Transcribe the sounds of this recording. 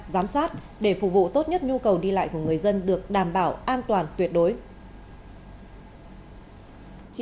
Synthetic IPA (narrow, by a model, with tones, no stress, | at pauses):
zaː˨˦msaː˦˥t̚ | ɗe˧˩fu˧˩vṵ˧˨t̪o˦˥t̚ɲə˦˥t̚ɲu˧kə˨˩wɗi˧la̰ː˧˨jku˧˩əŋɨ˨˩əjzə˧nɗɨ˨˩ək̚ɗaː˨˩mɓaː˧˩wʔaː˧nt̪waː˨˩nt̪wi˨˩ət̚ɗo˨˦j